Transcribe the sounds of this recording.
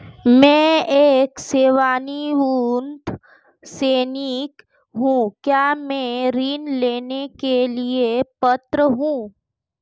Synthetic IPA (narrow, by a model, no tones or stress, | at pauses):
mɛ̃ːeːkseːʋaːniunt̪ | seːnik | ɦũkjaːmɛ̃ɾiːnleːnekeliepət̪ɾəɦũː